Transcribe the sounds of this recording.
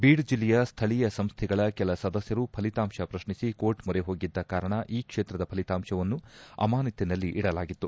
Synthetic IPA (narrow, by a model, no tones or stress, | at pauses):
biːɽd͡ʒilːɛjɐst̪ʰɐɭijɐsɐmst̪ʰɛɡɐɭɐkɛlɐsɐd̪ɐsjɐɾupʰɐlit̪aːmʂɐpɾɐʃɳisiko̞ːʈmuɾeɦo̞ːɡid̪ːɐkaːɾɐɳɐʔiːkʂeːt̪ɾɐd̪ɐpʰɐlit̪aːmʂɐʋɐnːuɐ̰maːnit̪ːinɐlːiʔiɽɐlaːɡit̪ːu